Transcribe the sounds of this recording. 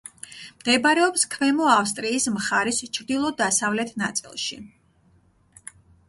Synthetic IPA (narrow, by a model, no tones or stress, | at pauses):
md̪̥ɛbɾɛɔpskʰmɛmɔafst̪ʼɾiːsmχaɾist͡ʃʰɾd̪ilˠɔd̪asavlɛt̪ʰnat̪sʼḭlˠʃḭ